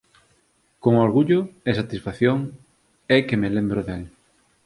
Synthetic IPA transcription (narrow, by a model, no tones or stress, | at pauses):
koŋoɾɣuʎʊesat̪isfaθjoŋ | ɛkemelembɾʊðel